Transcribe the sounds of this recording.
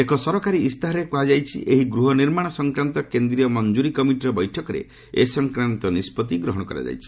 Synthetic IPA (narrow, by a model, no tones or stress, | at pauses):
ekɔsɔɾɔkaɾiːst̪ʰaɦɔɾekuɦad͡ʒajt͡ʃʰḭʔeɦiɡɾuɦɔniɾmaɽ̃ɔsɔŋkɾant̪ɔkend̪ɾijɔmɔnd͡ʒuɾikɔmiʈiɾɔbɔjʈʰɔkɔɾḛ | esɔŋkɾant̪ɔnispɔt̪̬iɡɾɔɦɔɽ̃ɔkɔɾa̰d͡ʒa̰jt͡ʃʰi̥